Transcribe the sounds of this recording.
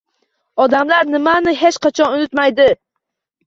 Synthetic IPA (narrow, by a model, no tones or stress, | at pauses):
ɒd̪amlaɾnɪmanɪɦet͡ʃqʰat͡ʃʰɒnʊnɪt̪majd̪ɪ